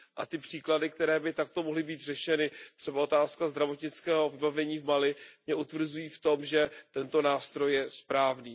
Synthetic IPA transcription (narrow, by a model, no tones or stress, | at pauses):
ʔa̰t̪ɪpr̥iːkladɪk̚t̪ɛɾɛːbɪt̪ak̚t̪o̞moɦlɪbiːt̪r̝ɛʃɛnɪt̪r̝̥ɛbao̞t̪aːskazd̪ɾavo̞t̪ɲɪt͡skɛːɦo̞vɪbavɛɲiːvmalɪmɲɛʔut̪vr̩zujiːft̪o̞mʒɛt̪ɛnt̪o̞naːst̪ɾo̞jːɛspɾaːvniː